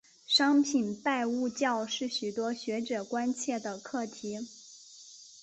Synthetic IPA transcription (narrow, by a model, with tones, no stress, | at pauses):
ʂɑ˥ŋpʰi˨˩npa˥˧ɪu˥˧t͡ɕjɑ˥˧ʊʂɻ̩˥˩ɕy˨˩t̪wɔ˥ɕɥɛ˧˥ʈ͡ʂɤ˨˩kwa˥nt͡ɕʰjɛ˥˩d̪ə˩kʰɤ˥˩t̪ʰi˧˥